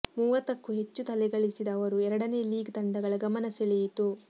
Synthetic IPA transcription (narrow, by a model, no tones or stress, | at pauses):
muːʋɐt̪ɐkːuɦe̞t͡ʃːut̪ɐlɛɡɐɭisid̪ɐːʋɐɾuɛɾɐɽɐneːliːɡt̪ɐɳɖɐɡɐɭɐɡɐmɐnɐseɭɛjit̪u